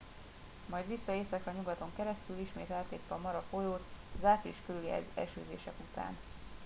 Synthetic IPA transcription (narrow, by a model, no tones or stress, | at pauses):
mɒjd̪ʋisːɒeːsɛkɒɲuɡɒt̪o̞ŋkɛɾɛst̪yliʃmeːt̪ɛlt̪eːt̪ːɛɒmɒɾɒfo̞joːt̪zaːt̪liʃkølyliɛ̰ɛ̰ʃø̰ːzḛːʃɛkut̪a̰ːn